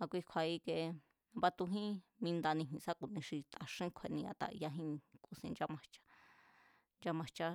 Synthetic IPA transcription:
a˧kʷi˧kʷʰa˧i˧ke˧ | ã˧βa˧t̪u˧ɦĩ˦mĩ˧nd̪a˧nĩ˧ɦĩ˧sa˦ku˨nĩ˧ʂi˧t̪a˧ʂĩ˦kʷʰe˧˨nĩ˧a̰˧t̪a̰˧˨ʔja˧ɦĩ˦˧ku˧sĩ˧nd͡ʒa˧mã˧t͡ʃḁ˦˧˦ | nd͡ʒa˧mã˧t͡ʃa˦

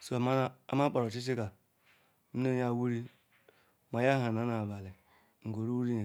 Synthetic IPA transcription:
so˦˨ma˦a̰˦ma˦k͡pa˨ɾo˨t͡ʃi˦t͡ʃi˦ka˨ | n̩˦ne˦ja˦˨wu˦ɾi˦ | ma˨ja˦ɦa˨na˨˦na˨ba˨li˨ | ŋ̩˨ɡo˨ɾu˦wu˦ɾi˦je˨

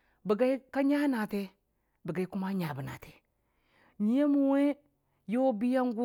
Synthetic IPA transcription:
bi˨ɡa˦i˦ka˦ɲa˦na˨te˦ | bi˨ɡa˨i˦ku˦ma˦ɲa˨bi˨na̰˨te̥˨ | ɲi˨˦je˦mu˨we˦ | jo˦bi˦ja˦ŋ˦ɡu˦

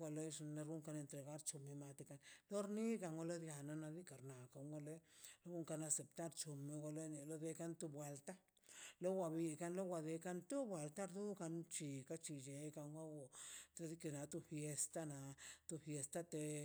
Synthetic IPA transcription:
a˧le˦jʂna˧ɾu˦ŋka˧ne˧nt̪ɾe˨ɣa˦ɾt͡ʃu˨mi˧ma˧t̪i˧ka˧nlo˦ɾni˦ka˧ŋɡo˧lo˦d̪ja˨na˧na˧d̪i˦ka˨ɾna˨ka˧ŋɡo˧le˦lo˦ɡu˦ŋka˧na˧se˨pt̪a˦ɾt͡ʃu˨me˧ɡa˧le˦ni˧lo˦d̪e˧ka˧˦nt̪u˦bwe˧lt̪a˦ | lo˦wʷa˧bi˧ka˧nlo˦wʷa˧d̪e˧ka˦nt̪u˦bwe˨lt̪a˦ɾd̪u˦ka˧nt͡ʃi˨ka˦t͡ʃi˧˨d͡ʒe˨ka˧ŋɡo˦wo˨a˧d̪i˦ke˧˨na˧t̪u˦fje˧st̪a˦na˨t̪u˧fje˧st̪a˦t̪e˧

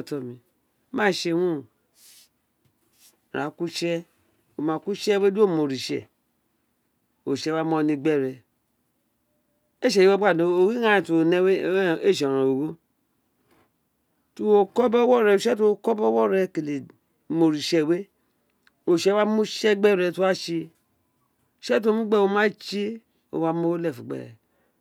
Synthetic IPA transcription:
tɔ˨mi˨˦ | ma˦˨ʃe˨hu˦˨ | ɾa˨ku˦ʃɛ˦ | o˨ma˨ku˦t͡ʃɛ˦we˦du˦o˦˨mo˨ɾi˨ʃɛ̰˨ | o˨ʃɛ˦wa˦mɔ˦ni˧ɡ͡bɛ˦˨ɾɛ˨ | e˦ʃe˨i˦wo˦ba˦˨no˨o˨wi˦ŋa˦i˨tu˨o˨ne˦we˦e˦˨ʃ̬ɾo˨o˨ɡo˦ | tu˦o˨kɔ˦bɔ˦wɔ˦˨ɾɛ˨o˨ʃɛ˦tu˦o˦˨kɔ˦bɔ˦wɔ˦˨ɾɛ˨ke˨le˨ | mo˨ɾi˨ʃɛ˨we˦ | o˨ʃɛ˦wa˦mu˦ʃɛ˦ɡ͡bɛ˦˨ɾɛ˨tu˦wa˦ʃi˧ | o˨ʃɛ˦t̬o˦mu˦ɡ͡bɛ˦˨wo˦ma˦t͡ʃi˦ | o̰˨wa˦mo˦lɛ˦˨fu˨ɡ͡bɛ̰˦ɾɛ̰˨

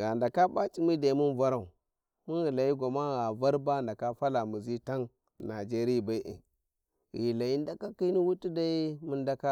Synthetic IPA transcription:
ɣa˨nda˨ka˦ba˦t͡ʃʼi˦mi˦da˨i˦mu˦n˦va˦ɾa˦˨u˨ | mu˦nɣi˨la˨i˦ɡʷa˨ma˦ɣa˨va˦ɾba˦˨nda˨ka˦fa˦la˨mu˨zi˦ta˦n˨ | na˨d͡ʒe˦ɾi˦ja˨ba˦i˦ʔḭ˨ | ɣi˨la˨i˦nda˦ka˦ki˦ni˦wu˦ti˦da˦i˦mu˦nda˦ka˦

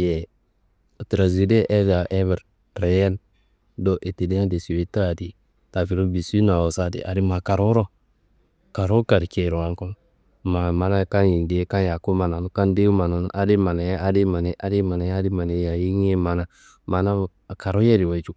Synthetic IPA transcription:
jɛ˨ | tɾa˨zi˨de˦ʔe˦za˨ʔe˦βɛ˨ɾ | ɾe˨je˦n | do˦ʔe˨ti˨di˦a˦de˨si˨wi˦ta˦˨di˨ | ta˨fi˨ɾu˦bi˨si˦na˨wo˨sa˦dḭ˨ʔa˨di˦ma˨ka˨ɾo˦ɾo˦ | ka˨ɾo˦ka˨ɾke˨ɾo˨a˨ŋko˦m | ma˨ma˨na˦˨ka˦nji˨ndi˨˦ka˦ja˨ku˦ma˨na˨nu˦ka˦nde˦u˦ma˨no˨n˦ʔa˦di˦ma˨na˨ja˦di˦ma˨ne˨˦ʔa˦di˦ma˨na˨ja˦di˦ma˨ne˨˦ja˨ji˦ŋ˦e˦ma˨na˨ | ma˨na˦˨ka˨ɾo˦je˦di˨wa˨t͡ʃu˦

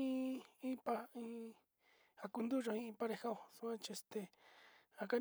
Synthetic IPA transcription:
ĩ˦ĩ˦pa˦ĩ˦ | a˧ku˧nd̪u˦ʐõ˧ĩ˦˧ĩ˧pa˦ɾe˧ha˦o˧˨su˧ã˦t͡ʃi˧e˧st̪e˧ | a˧ka˦

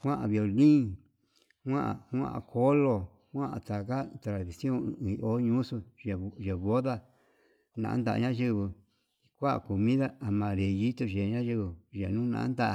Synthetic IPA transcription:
hʷã˦ʔa̰˨βjo˨lĩ˦ | hʷã˦ʔa̰˨hã̰˦ʔa̰˨kʰo˦lo˧ | hwã˦ʔa̰˨t̪a˨ka˦t̪ɾa˨ði˨sjõ˦˨˧o˦ɲũ˦su˧˨ʒe˨βo˦ða˦ | nã̰˨ʔnd̪a̰˨ʔa̰˨ɲã˦ʒi˦βɨ˧ | i˧kʷa˦ʔku˨mĩ˦ða˦a˨mã˨ɾe˨ji˦t̪o˧ʒe˨ɲã˦ʒi˧βɨ˧ʒa˨nũ˦nã̰˨ʔa˦nd̪a˧ʔ

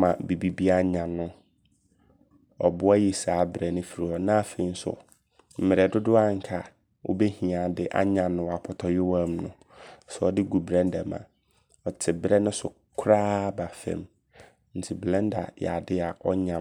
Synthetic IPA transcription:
mã˨bi˨bi˦bi˦a˦ɲã˨nʊ̃˦ | ɔ̰˨bʊ˦a˦ji˨saː˨˦bɾɛ˨nʊ̃˦fi˨ɾi˨ɔ˨nã˦˨fe˨i˦n˦sʊ̰˨ | m̩˨mɪ̃˨ɾɛ˨dʊ˦dʊ˦a˦ŋ̩˨kʰa˨ | wʔʊ̰˦be˦hĩ˨a˨dɪ˦ʔa̰˦ɲã˨nʊ̃˦wa˨pʰɔ˨tʰɔ˨jɪ˦wã˦mnʊ̰̃˨ | sɛ˨ɔ˨dɪ˦ɡu˨bɾɛ̃˦n˦dɛ˨mã̰˨ | ɔ˨tʰɪ˨bɾɛ˦nʊ̃˦sʊ˨ | kʰɾaː˦ba˨fɛ̰̃˨m | n̩˨tʰɪ˨blɛ̃˦n˦da̰˨ja̰˨dɪ˦a˨ʔɔ˦ɲã˨

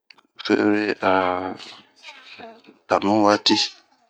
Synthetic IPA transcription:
fḛ˦ɾe˦ʔa˨ | ta˨nũ˦wa˦ti˦

